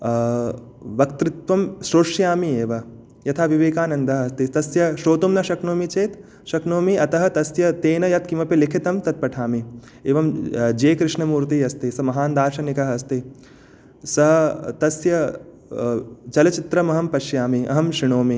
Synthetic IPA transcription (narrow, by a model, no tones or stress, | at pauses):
ʋɐkt̪ɾɪt̪ʋɐmʃɾoːʂjaːmieːʋɐ | jɐt̪ʰaːʋiʋeːkaːnɐnd̪ɐɦɐɐst̪it̪ɐsjɐʃoːt̪umnɐʃɐknoːmit͡ʃeːt̪ | ʃɐknoːmiʔɐt̪ɐɦɐ̆t̪ɐsjɐt̪eːnɐjɐt̪̚kimɐpilikʰit̪ɐmt̪ɐt̪̚pɐʈʰaːmi | eːʋɐmd͡ʒeːkɾɪʂɳɐmuːɾt̪iːɐst̪isɐmɐɦaːnd̪aːɾʃɐnikɐɦɐɐst̪i | sɐɦɐt̪ɐsjɐ | t͡ʃɐlɐt͡ʃit̪ɾɐmɐɦɐmpɐʃjaːmiʔɐ̰ɦɐmʃɾiɳoːmi